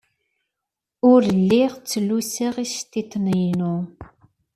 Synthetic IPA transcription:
ʊɾɮːiʁt͡sːəluseʁist̪it̪nəjnu

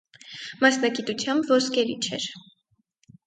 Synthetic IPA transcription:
mɑsnɑɡit̪ut͡sʰjɑmbvɔskɛɾit͡ʃʰɛ̰ɾ

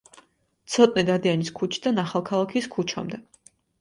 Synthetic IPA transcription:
t̪sʰɔt̪ʼnid̪ad̪ianiskʰut͡ʃʰi̥d̪anaχalˠkʰalˠakʰiskʰut͡ʃʰa̰md̪ɛ

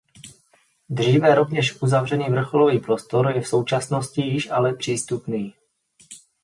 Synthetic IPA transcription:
d̪r̝iːvɛɾo̞vɲɛʃʔuzavr̝ɛniːvr̩xoloviːpɾo̞st̪o̞ɾjɛfso̞wt͡ʃasno̞scɪjɪʃʔalɛpr̝̥iːst̪upniː

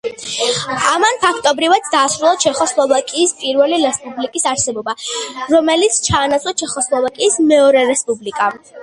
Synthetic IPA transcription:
amanpʰakʰt̪ʼɔbɾivad̪d̪aːsɾulˠat͡ʃʰɛχɔslˠɔvakʼiːspʼiɾvɛliɾɛspʼublikʼisaɾsɛbɔbaɾɔmɛlit̪sʰt͡ʃʰaːnasʰwat͡ʃʰɛχɔslˠɔvakʼiːsmɛɔɾɛɾɛspʼublikʼa

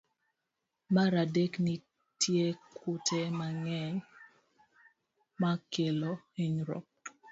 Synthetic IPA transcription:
maɾadekni | tʰjekʰʊtʰɛmaŋɛɲ | makelo | iɲɾɔ̰p̚

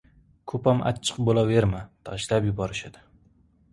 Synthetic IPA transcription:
kʰɵpama̰t͡ʃʰːɨ̥qbolaveɾmat̪ʰɒʃlapjʊbɒɾɪʃad̪̥ɪ

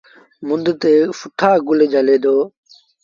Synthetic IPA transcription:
mʊnd̪t̪eːfʊʈʰaːɡʊleːd͡ʒəleːd̪oː

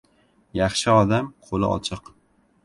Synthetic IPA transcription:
jɑχʃɪɒd̪amqʰolˠɪ̰ʔɒ̰t͡ʃʰɨq

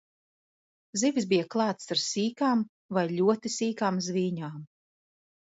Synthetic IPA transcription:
zivʲis̬bijaklˠɑːt̪saɾsiːkaːm | vajʎʲuɔt̪isiːkaːmzviːɲaːm

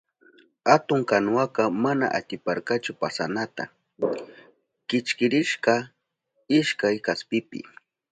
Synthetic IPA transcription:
hat̪ʊŋkanwakɑmana̰ʔa̰t̪ɪpaɾkat͡ʃʊpasanat̪a̰ | kɪt͡ʃkɪɾɪʃkɑ | ɪʃkajkaspɪpɪ̰

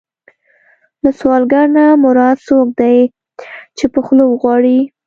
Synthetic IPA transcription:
laswɑlɡaɾnamʊɾɑd̪sok̚d̪aj | t͡ʃepəxlowɣwɑɽi

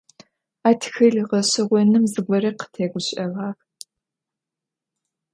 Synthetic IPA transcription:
aːtʰxɨɮʁɐɕɐʁʷɔnɨmzɨɡʷɔɾɐqə̥tʰeːɡʷʊɕʼɐʁɑːx

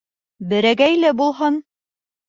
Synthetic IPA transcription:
bɘ̆ɾæɡæjlæbulˠɦɤn

